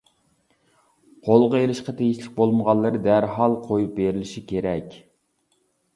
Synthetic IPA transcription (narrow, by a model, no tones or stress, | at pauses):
qʰolˠʁəelˠɪʃqɑt̪ʰejiʃlɪk̚ʲbolˠməʁɑlˠːɨɾɨd̪æɾɦɑlˠqʰojup̚beɾɪlɪʃikʲʰeɾɛkʲ